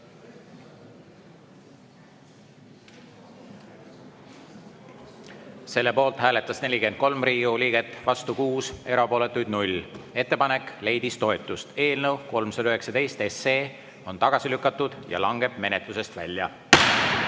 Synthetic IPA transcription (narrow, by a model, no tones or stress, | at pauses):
se̞lːe̞po̞ːlt̪hæːle̞t̪ːˑɑsne̞lʲike̞nd̪̥̚ko̞lmriːɡuliːɡe̞t̪ːˑvɑst̪ukuːse̞ɾɑpo̞ːle̞t̪ːˑujd̪̥nulʲe̞t̪ːˑepɑne̞kːˑle̞jd̪ist̪o̞e̞t̪ˑːust̪e̞ːlnɤwko̞lmsɑd̪ɑyhe̞ksɑd̪e̞jst̪e̞sːeː | ont̪ɑɡ̥ɑsilykːˑɑt̪ːˑud̪̥jɑ̰lɑŋɡe̞b̥me̞ne̞t̪luse̞st̪vælʲːjɑ̰